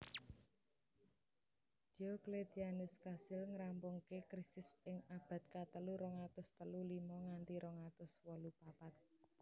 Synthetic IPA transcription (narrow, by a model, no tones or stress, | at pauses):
okled̪ianʊskasɪlŋəɾampʊŋkekɾisɪsɪŋab̥ä̤t̪̚kat̪əluɾɔŋat̪ʊst̪əlulimɔŋant̪iɾʔɔŋat̪ʊswɔlupapat̪̚